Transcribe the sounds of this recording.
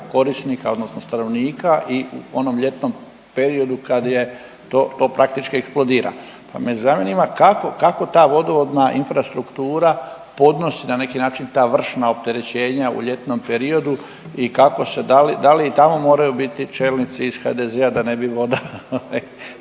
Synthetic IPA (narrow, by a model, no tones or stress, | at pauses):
ko̞ɾisnikao̞d̪nosno̞st̪ano̞ʋniːkaʔiṵo̞no̞mʎe̞t̪no̞m | pe̞ɾio̞d̪ukad̪je̞ | t̪oːt̪o̞ːpɾʔakt̪it͡ʃkieksplˠo̞d̪iːɾa̰ | pa̰mezamenimakako̞kako̞t̪aːʋo̞d̪o̞ʋo̞d̪naʔinfɾast̪ɾukt̪uːɾa | po̞d̪no̞sinane̞kinaːt͡ʃint̪aːʋr̩ʃnao̞p̚t̪e̞ɾe̞t͡ɕe̞ːɲaṵʎe̞t̪no̞mpe̞ɾio̞d̪u | ikako̞se̞d̪alid̪aliːt̪amo̞mo̞ːɾajubit̪it͡ʃe̞ːlnit̪siːz̥xa̰d̪ezead̪ane̞biʋo̞d̪aoʋaj